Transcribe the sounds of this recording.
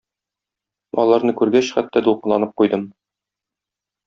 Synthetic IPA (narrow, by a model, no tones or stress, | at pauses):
ɒ̰lˠɑɾnɤkʉɾɡæɕχæt̪ːæd̪ulˠqɤ̆lˠɑnɤp̚qujd̪ɤm